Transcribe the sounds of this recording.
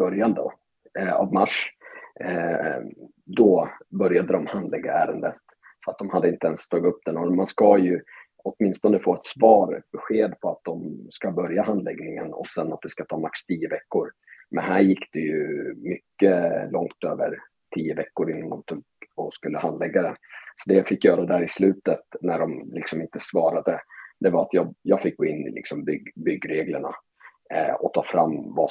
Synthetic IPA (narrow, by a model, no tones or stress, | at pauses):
bœɾjand̪ə̰ | a̰vmaʂ | d̪ɔbœɾjad̪əd̪ɔmhand̪lɛɡːa̰æːɾənd̪ət̪ | sɔat̪̚d̪ɔmhad̪ːəɪnt̪əɛnst̪ʰɑːɡɪt̪ɵp̚ːd̪ɛnɔmanskajɵ | ɔt̪mɪnst̪ɔnəfoːɛt̪svɑːɾbɛɧeːd̪pʰɔat̪̚d̪ɔmskabœɾjaɦand̪lɛɡnɪŋə̰nɔ̰sɛnːat̪̚d̪ɛskat̪ʰɑːmakst̪ʰiːəvɛkːʊɾmɛnhæːɾjɪkːd̪̥ɛjɵmʏkːəlɔŋt̪ø̰ːvəɾ | ʈʰiːəvɛkːʊɾɪnːand̪ɔmt̪ʰuːɡɔskɵlːəhand̪lɛɡːad̪ɛnsɔd̪ɛjafɪkːjœːɾad̪æɾɪslʉ̟ːt̪ət̪næɖɔmlɪksɔmɪnt̪əsvɑːɾad̪əd̪̥ɛvaɾat̪jɑːjɑːɡfɪk̚ːɡ̥oːɪnːɪ̰lɪ̰ksɔmbʏɡbʏɡːɾeːɡləɳa̰ | ɔt̪ʰɑːfɾamːva